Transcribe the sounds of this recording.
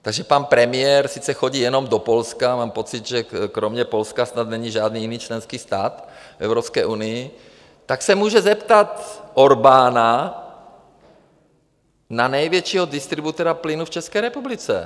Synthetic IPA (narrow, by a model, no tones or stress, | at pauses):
t̪aɡʒɛpanpɾɛmɪjɛɾsɪt͡sɛxoɟiːjɛno̞mdopolskamaːmpo̞t͡sɪt̪ʒɛkɾomɲɛpo̞lskasnat̪nɛɲiʒaːd̪niːjɪniːt͡ʃlɛnskiːst̪aːt̪fɛ̰vɾopskɛ̰ːʔunɪjɪ | t̪aksɛmuːʒɛzɛpt̪at̪ʔoɾbaːna | nanɛjvjɛt͡ʃiːɦodɪst̪ɾɪbut̪ɛɾaplɪnuft͡ʃɛskɛːɾɛpublɪt͡sɛ̰